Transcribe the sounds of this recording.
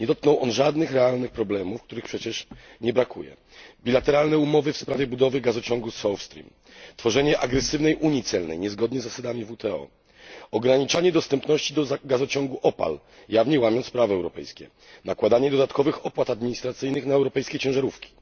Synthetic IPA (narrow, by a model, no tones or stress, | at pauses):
ɲɛd̪ɔt̪̚knɔwʔɔnʐad̪nɘxɾɛalnɘxpɾɔblɛmufkt̪uɾɘxpʂɛt͡ɕɛʂɲɛbɾakʰṵjɛ̰ | bʲilat̪ɛɾalnɛumɔvɘfspɾavʲjɛbud̪ɔvɘɡazɔt͡ɕɔŋɡusɔwfst̪ɾʲḭm | t̪fɔʐɛɲɛʔaɡɾɛsɘvnɛjʔuɲit̪sɛlnɛ̰jɲɛzɡɔd̪ɲɛzːasad̪amʲivut̪ʰɛɔ̰ | ɔɡɾaɲit͡ʂaɲɛd̪ɔst̪ɛmpnɔɕt͡ɕid̪ɔaɡazɔt͡ɕɔŋɡuʔɔpa̰l | javɲɛwamʲjɔnt̪spɾavɛɛwɾɔpɛ̰jskʲɛ̰ | nakwad̪aɲɛd̪ɔd̪at̪kɔvɘxɔpwat̪ad̪mʲiɲist̪ɾat̪sɘjnɘxnaɛwɾɔpɛjskʲejt͡ɕɛ̃w̃ʐaɾufkʲi̥